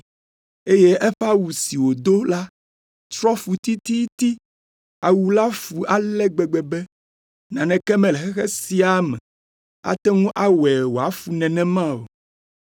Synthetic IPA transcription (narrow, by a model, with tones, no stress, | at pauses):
e˦je˦ʔɛ˦ɸa˦wu˨si˨wo˨d̪o˦la˦ | t̪ɾɔ˦fu˨t̪i˦t̪i˦t̪i˦ | a˨wu˨la˦fu˨ʔa˨lɛ˦ɡ͡bɛ˨ɡ͡bɛ˨bɛ˦ | nã˨nɛ̃˨kɛ˦mɛ̃˨lɛ˨xɛ˦xɛ˦si˦a˦mɛ̰̃˨ | a̰˦t̪ɛ˦ŋũ˦ʔa˦wɛ˨wo˨a˨˦fu˨nɛ̃˨nɛ̃˦mã˦o̰˨